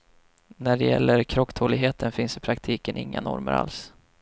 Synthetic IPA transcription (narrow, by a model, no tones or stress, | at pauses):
næɖɛjɛlːəɾkʰɾɔkːt̪ʰoːlɪɡɦeːt̪ʰənfɪnsɪpʰɾakt̪ʰiːkənʔɪŋːanɔ̰ɾməɾa̰ls